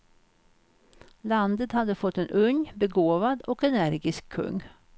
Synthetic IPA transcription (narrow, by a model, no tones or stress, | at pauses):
land̪ət̪had̪ːəfɔt̪ːɛnʔɵŋbɛɡoːvad̪ɔkɛnæɾɡɪskʰːɵ̰ŋː